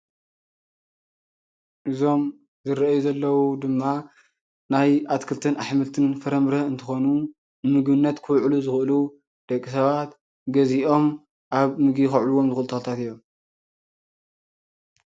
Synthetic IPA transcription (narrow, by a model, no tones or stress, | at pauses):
ʔɨzo̞m | zɨɾɐʔjuzɐlːɐwud̪ɨmːa | najʔat̪kʰɨlt̪ʰɨnʔaħmɨlt̪ʰɨnfɐɾɐmɾɐɨnt̪ʰɨxo̞nu | nɨmɨɡβɨnːɐt̪kʰɨwʕluzɨxʔɨlu | d̪̥ɐkʼːisɐβat̪ | ɡɐziʔo̞m | ʔaβmɨɡixɐʕluwo̞mzɨxɨlt̪ʰɐot̪ʰat̪ɨjːom